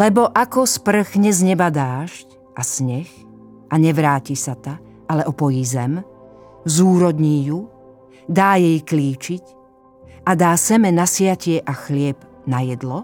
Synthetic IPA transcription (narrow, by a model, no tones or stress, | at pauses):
lɛbɔʔakɔspr̩ɣɲɛzɲɛbad̪aːʃc | ʔasɲɛx | ʔaɲɛʋɾaːcisat̪a | ʔalɛʔɔpɔjizɛm | zuːɾɔd̪ɲiːju | d̪aːjɛjkliːt͡ʃic | ʔad̪aːsɛmɛnasɪacɪɛʔaxlɪɛbnajɛd̪lɔ